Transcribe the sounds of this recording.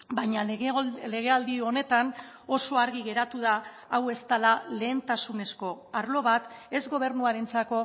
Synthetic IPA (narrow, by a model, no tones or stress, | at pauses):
bajɲale̞ɣe̞ald̪ione̞t̪an | o̞so̞aɾɣiɣe̞ɾat̪uðaː | we̞st̪alale̞ːnt̪asune̞sko̞ | aɾlo̞β̞at̪e̞zɣo̞β̞e̞ɾnuaɾe̞nt͡sako̞